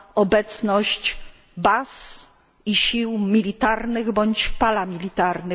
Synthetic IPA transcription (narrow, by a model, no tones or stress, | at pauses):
ɔbɛt̪snɔɕt͡ɕ | bas | iɕiwmʲilʲit̪aɾnɘɣbɔɲt͡ɕpalamʲilʲit̪aɾnɘ